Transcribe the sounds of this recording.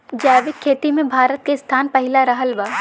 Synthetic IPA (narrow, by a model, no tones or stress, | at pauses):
d͡ʒaːʋɪkʰːeːt̪imẽbʱaːɾət̪̚kest̪ʰaːnpɐɦɪlaɾɐɦəlʋaː